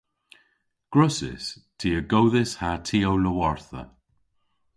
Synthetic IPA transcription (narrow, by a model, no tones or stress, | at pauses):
ɡ̥ɹʊsɪ̰stʰiːəɡowðɪshatʰiːowləwɔɹθə̰